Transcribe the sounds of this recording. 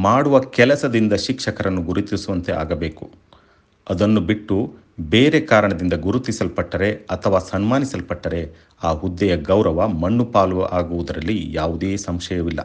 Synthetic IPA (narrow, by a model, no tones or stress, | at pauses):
maːɽuʋɐkɛlɐsɐd̪ind̪ɐʃikʂɐkɐɾɐnːuɡuɾut̪isuʋɐnt̪e̞ʔa̰ːɡɐbe̞ːku̥ | ɐd̪ɐnːubiʈːu | beːɾe̞kaːɾɐɳɐd̪ind̪ɐɡuɾut̪ːisɐlpɐʈːɐɾe̞ɐt̪ʰɐʋaːsɐnmaːnisɐlpɐʈːɐɾe̞ | aːɦud̪ːɛjɐɡɐwɾɐʋɐmɐɳːupaːluʋɐʔaːɡuʋud̪ɐɾɐlːijaːʋud̪eːsɐmʃɐjɐʋilːɐ̰